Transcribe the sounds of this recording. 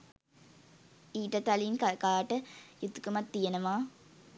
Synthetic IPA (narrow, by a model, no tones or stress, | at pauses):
iːʈət̪alinkakaːʈəjut̪ːu̥kumat̪ːijenəʋaː